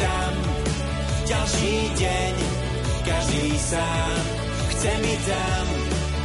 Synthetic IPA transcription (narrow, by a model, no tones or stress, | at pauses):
a | m | ɟalʃiː | ɟɛ | ɲ | kaʒd̪iːsaː | m | xt͡sɛmizam